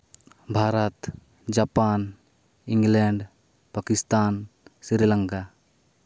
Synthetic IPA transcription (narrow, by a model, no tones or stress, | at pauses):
bʱaɾət̪ | d͡ʒapan | iŋɡlɛɳɖ | pakist̪ansiɾilaŋka